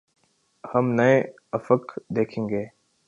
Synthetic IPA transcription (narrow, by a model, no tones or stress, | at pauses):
hɐmnɐẽ | ɐfəkd̪eːkʰẽːŋɡeː